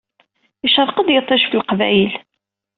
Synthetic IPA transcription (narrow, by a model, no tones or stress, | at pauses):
iʃəɾˤqəd̪jət̪ˤːɑʃfəlqvæjəl